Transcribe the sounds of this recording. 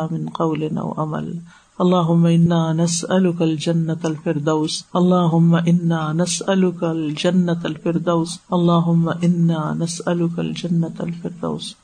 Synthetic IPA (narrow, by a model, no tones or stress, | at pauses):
mɪnqɑwlɪnʔa̰wʔama̰l | ʔɑlˤːɑːɦʊmːaʔɪnːaːnasʔalʊkald͡ʒanːaalfɪɾd̪aːsʔɑlˤːɑːɦʊmːaʔɪnːaːnasʔalʊkald͡ʒanːat̪alfɪɾd̪awsʔɑlˤːɑːɦʊmːaʔɪnːaːnasʔalʊka̰ld͡ʒanːaa̰lfɪɾd̪a̰ːs